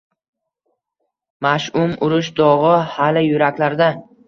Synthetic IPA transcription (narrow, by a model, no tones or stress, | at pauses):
maʃʊmʊɾʊʃd̪ɒʁɨhalɪjʊɾakʲlaɾd̪a